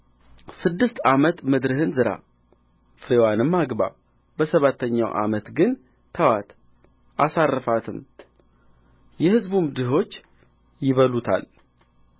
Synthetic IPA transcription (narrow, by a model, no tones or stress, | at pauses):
sɨd̪ːɨst̪amət̪mɨd̪ɾɨhɨnzɨɾa̰ | fɨɾewanɨmːaɡβa̰ | bəsəβat̪ʰːəɲːa̰wʔa̰mət̪ɡɨn | t̪ʰəwat̪ | ʔasarːɨfat̪ʰɨm | jɛhɨzbumd̪ɨɦo̞t͡ʃː | jɪβəlut̪ʰa̰l